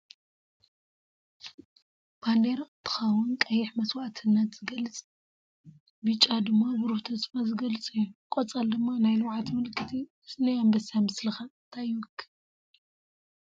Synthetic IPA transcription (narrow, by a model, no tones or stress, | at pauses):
b̥and̪eɾaɨt̪ʰɨ̥xɐwʊnkʼɐjɪħmɐswaʔt̪ʰɨnːɐt̪z̥ɨɡɐlɨt͡sʼ | bɨt͡ʃʼad̪ɨmːabɨɾuħt̪ʰɐsfazɨɡɐlɨt͡sʼɨjːukʼɔt͡sʼald̪ɨmːanajluwʕat̪mɨlkʰːɨt̪ʰiɨsnɐjambɐsamɨslɨxant̪ʰajwɔkʰːɨ̥